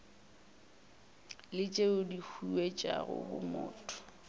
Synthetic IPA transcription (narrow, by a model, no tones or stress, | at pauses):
lɪt͡ʃʼeʊdihʰuwet͡ʃʼaɣʊ̰bʊmʊːtʼɔ̥